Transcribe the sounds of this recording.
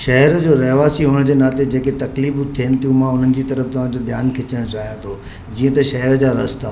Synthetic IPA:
ʃɐɦəɾd͡ʑoːɾɐɦʋaːsiɦʊnəd͡ʑeːnaːt̪ed͡ʑeːket̪ɐkliːbt̪ʰiənɪt̪ʰijũmãʊn̤ənɪ̆d͡ʑiːt̪ɐɾəft̪ɐʋ̤ãd͡ʑod̪jaːnkʰɪt͡ɕəɽ̃t͡ɕaːɦijãt̪ʰoː | d͡ʑiːə̃t̪ɐʃɐɦəɾəd͡ʑaːɾɐst̪aː

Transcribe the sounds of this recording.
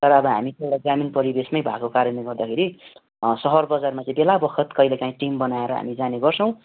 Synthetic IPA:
t̪ʌɾʌːbʌɦa̰mit̪ewɽaɡaminpʌɾibesmʌjbʱa̰kokaɾjʌneɡʌrd̪akʰeɾi | sʌɦʌrbʌd͡zarmat͡sʌĩbelabʌkʰʌt̪kʌjlekaĩʈimbʌnaeɾʌɦa̰mid͡zaneɡʌrt͡sʰʌw̃

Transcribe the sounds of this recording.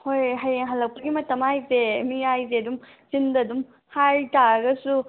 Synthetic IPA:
hojɦɐjeŋɦɐlːɐk̚pɐɡimɐtɐmajzemijajzeɐdum | zindɐdum | haɾtaɐɡɐsu

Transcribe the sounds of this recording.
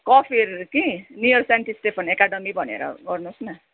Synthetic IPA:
kɔpʰiɾkinijʌɾsaɳʈisʈepʰʌnekaɖʌmibʱʌnḛɾʌ̰ɡʌrnusna

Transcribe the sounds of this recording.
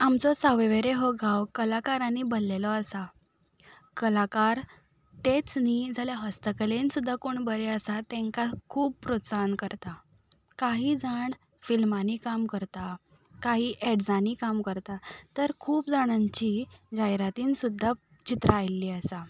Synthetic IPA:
amt͡sɔsaʋeʋeɾeɦɔɡʱawkəlakaɾanibəlːelɔəsa | kəlakaɾ | t̪et͡snid͡zʱaljaɦəst̪əkəlensud̪ʱːakoɳbəɾeəsat̪ɛ̃ŋkakʰuːppɾətsankəɾt̪a | kaɦiːd͡zaɳ | filmanikamkəɾt̪a | kaɦiːʔeɖd͡zaniːkamkəɾt̪at̪əɾkʰuːpd͡zaɽ̃aɲt͡ɕid͡ʑajɾat̪iːnsud̪ʱːa | t͡ɕit̪ɾaajlːiːəsa

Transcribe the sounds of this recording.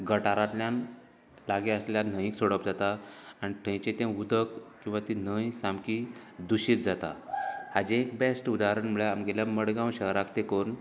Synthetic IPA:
ɡəʈaɾãt̪ljãn | laɡeəsleljan̤ə̃jĩksoɽəpd͡zat̪aːniʈʰə̃jt͡ɕẽt̪ẽud̪əkkːĩw̃ʋat̪in̤əjsambkid̪uɕiːt͡sd͡zat̪a̰had͡ʑẽekbesʈud̪aɾəɳmuɭeamɡeljaməɽɡãw̃ɕəɦɾakt̪ekon

